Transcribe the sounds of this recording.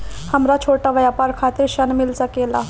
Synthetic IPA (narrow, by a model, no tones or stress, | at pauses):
həmɾat͡ʃʰoʈaʋjapaɾkʰat̪iɾʃənmilsəkela̰